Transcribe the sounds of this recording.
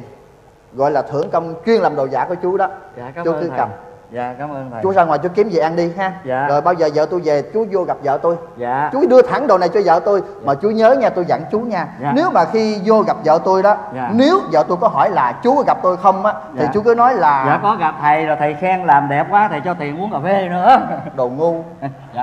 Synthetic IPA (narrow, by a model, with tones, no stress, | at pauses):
ɣɔ̰˧˨jlaː˨˩t̪ʰɨ̰˧˩əŋt͡ɕə˧wŋ͡mt͡ɕwi˧ənlaː˨˩mɗo˨˩za̰ː˧˩˦ku˧˩ət͡ɕu˨˦ɗɔ˨˦˨t͡ɕu˨˦˧kɨ˨˦ɣa˨˩p̚ː | t͡ɕu˦zaː˧ŋwaː˨˩jt͡ɕu˨˦ki˨˦əmzi˨˩ʔa˧nɗi˧ɦaː˧˨˧zo˨˩jɓaː˧wzəː˨˩zə̰ː˧˨t̪o˧jve˨˩t͡ɕu˨˦zo˧ɣa˨˩p̚zə̰ː˧˨t̪o˧jt͡ɕu˨˦ɗɨ˧ət̪ʰa˧˩˦ŋɗo˨˩na˨˩jt͡ɕɔ˧zə̰ː˧˨t̪o˧j | maː˨˩t͡ɕu˨˦ɲəː˨˦ɲaː˧t̪o˧jzə̰˧˩ŋt͡ɕu˨˦ɲaː˧ne˨˦wmaː˨˩xi˧zo˧ɣa˨˩p̚zə̰ː˧˨t̪o˧jɗɔ˨˦˧ne˨˦wzə̰ː˧˨t̪o˧jkɔ˨˦ɦɔ˧˩jlaː˨˩t͡ɕu˨˦ɣa˨˩p̚t̪o˧jxə˧wŋ͡mʔaː˨˦t̪ʰi˨˩t͡ɕu˨˦kɨː˨˦nɔ˨˦jlaː˨˩a̰ː˨kɔ˨˦ɣa˨˩p̚t̪ʰə˨˩jzo˨˩jt̪ʰə˨˩jxɛː˧ŋlaː˨˩mɗɛ˨˩p̚kwaː˨˦t̪ʰə˨˩jt͡ɕɔ˧t̪ʰi˨˩ənmu˨˦ənkɔ˨˩ve˨˧˩nɨ̰˧˥ɗo˨˩ŋu˧